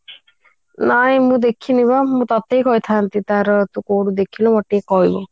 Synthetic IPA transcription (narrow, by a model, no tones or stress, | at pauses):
najmũd̪ekʰinibamũt̪ɔt̪eikɔit̪ʰant̪it̪aɾt̪ũkoɽud̪ekʰilɔ̃mɔʈːiekɔɦibo